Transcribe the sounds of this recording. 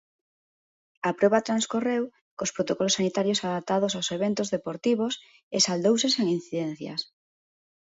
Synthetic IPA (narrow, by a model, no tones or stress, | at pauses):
apɾɔβ̞at̪ɾanskorew | kospɾot̪okɔlosanit̪aɾjosaðap̚t̪aðosawseβent̪ozðepoɾt̪iβ̞os | esald̪owseseŋin̟θiðɛn̟θjɐ̰s